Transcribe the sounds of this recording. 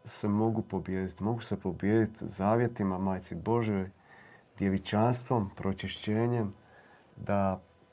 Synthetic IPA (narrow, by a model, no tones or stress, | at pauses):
semo̞ɡupo̞bjeːd̪it̪mo̞ɡuse̞po̞bje̞ːd̪it̪zaːʋje̞t̪imamaːjt̪sibo̞ʒjojd̪je̞ʋit͡ʃanst̪ʋo̞mpɾʔo̞t͡ʃiʃt͡ɕe̞ːɲe̞m | d̪a